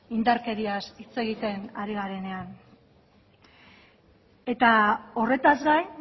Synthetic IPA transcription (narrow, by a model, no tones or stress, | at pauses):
ind̪aɾke̞ɾiasit͡se̞ɣit̪e̞naɾiɣaɾe̞ne̞an | e̞t̪ao̞re̞t̪azɡaj